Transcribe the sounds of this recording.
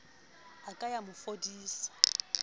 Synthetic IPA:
akʼajamʊfodiːsḁ

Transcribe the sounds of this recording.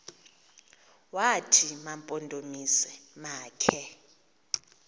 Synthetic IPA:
watʰimampʼondʼomisɛmaːkʰɛ

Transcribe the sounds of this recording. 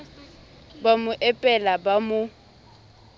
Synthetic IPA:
bamʊʔɛpʼɛlabamʊ

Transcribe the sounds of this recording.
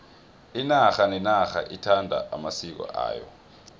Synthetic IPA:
inaxanɛnaxa̰ʔitʰandʱa̰ʔamasik̬ɔ̰ʔa̰ːjɔ̰

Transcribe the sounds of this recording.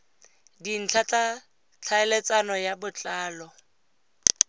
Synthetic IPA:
din̩t͡ɬʰat͡sʼa | t͡ɬʰaɛlet͡sʼanɔjabʊt͡ɬʼaːlɔ

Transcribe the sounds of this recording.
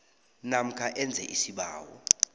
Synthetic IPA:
nam̩kʰaʔɛnd͡zʱɛ̰ʔisiɓaːwɔ̰

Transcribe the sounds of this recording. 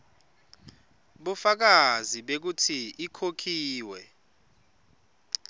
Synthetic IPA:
ɓufak̬aziɓek̬utʰiikʰokʰiːwɛ

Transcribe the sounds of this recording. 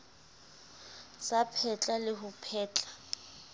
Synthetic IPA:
sapʰɛt͡ɬʼalɪɦʊpʰɛːt͡ɬʼḁ

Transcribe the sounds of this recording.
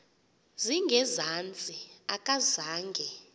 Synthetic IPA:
ziŋɡʱɛzant͡sʼiakʼazaːŋɡʱɛ

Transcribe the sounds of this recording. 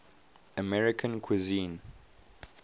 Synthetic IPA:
əmɛɹɪkʰə̃nkʰwizĩn

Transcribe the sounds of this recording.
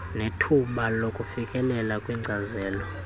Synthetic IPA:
netʰuɓalokʼufikʼɛlɛlakʼwiŋ͡ǀʱazɛːlɔ

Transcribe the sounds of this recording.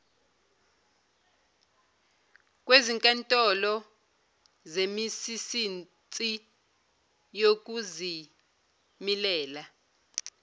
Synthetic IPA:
k̬ʼweziŋkʼantʼɔlɔ | zemisisin | t͡sʼi | jok̬ʼuzi | milɛːla

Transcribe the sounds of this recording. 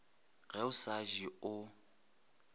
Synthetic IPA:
ɣɛʊsaʒiʊ

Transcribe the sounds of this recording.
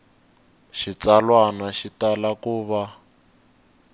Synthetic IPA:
ʃit͡salwanaʃitalakuːβa

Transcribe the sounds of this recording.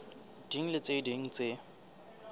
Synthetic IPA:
d̥iŋ̩lɪt͡sediŋ̩t͡se

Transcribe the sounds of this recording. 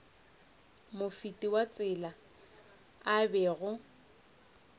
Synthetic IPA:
mʊfitʼiwat͡sʼɪla | abɛɣʊ

